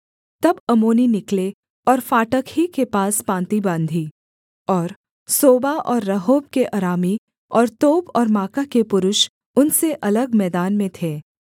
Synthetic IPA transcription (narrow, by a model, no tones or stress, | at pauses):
t̪ɐbɐmoːninɪkle | ɔːɾfaːʈəkɦikepaːspãːnt̪ibãːnd̪ʱiː | ɔːɾ | soːbaʔɔːɾːɐɦoːb̚keʔaɾaːmi | ɔːɾt̪oːbɔːɾmaːkakepʊɾʊʃ | ʊnseʔɐləɡmɛːd̪aːnmẽt̪ʰeː